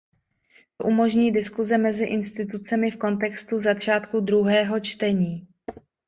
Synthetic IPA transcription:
t̪oʔumo̞ʒɲiːdɪskuzɛmɛzɪʔɪnst̪ɪt̪ut͡sɛmɪfko̞nt̪̬ɛkst̪uzat͡ʃaːt̪kud̪ɾuɦɛːɦo̞t͡ʃt̪ɛɲiː

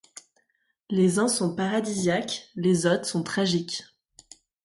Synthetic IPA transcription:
lezɛ̃sɔ̃paʁad̪izjaklezot̪χsɔ̃t̪χaʒikʲ

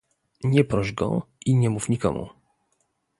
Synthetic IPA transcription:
ɲɛpɾɔʒɡɔ̰iɲɛmufɲikɔ̰mṵ

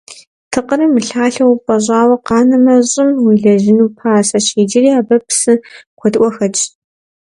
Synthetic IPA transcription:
tʰɨqəɾɨmɨɬaːɬɐwpʼɐʑʷʼaːwɐqɑːnɐmɐɕʼɪmwiɮɐʑɪnuːpʰaːsɐɕiːd͡ʒɪɾiːaːbɐpʰsɨqʷɔtʔʷɔxɐt͡ʃʼ

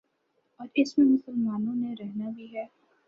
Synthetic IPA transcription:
ɔːɾɪsmẽmʊsəlmaːnõneɾɛɦnabʱiɦɛː

